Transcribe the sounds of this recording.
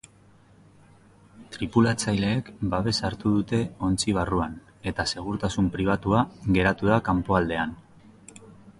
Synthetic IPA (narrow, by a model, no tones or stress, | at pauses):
t̪ɾipulat͡sajle̞ːkbaβe̞saɾt̪uðut̪e̞o̞nt͡siβ̞aruan | e̞t̪ase̞ɣ̞uɾt̪asumpɾiβ̞at̪uaɣe̞ɾat̪uð̞akampo̞ald̪e̞an